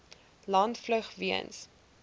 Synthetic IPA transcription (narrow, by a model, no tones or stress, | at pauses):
lɐntfləχviə̰ns